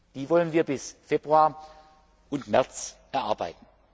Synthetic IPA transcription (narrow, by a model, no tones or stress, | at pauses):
d̥iːvɔlənviːɐbɪsfeːbʁuaːɐ | ʔʊntmɛɐt͡sʔɛɐʔaɐba̰ɪtn̩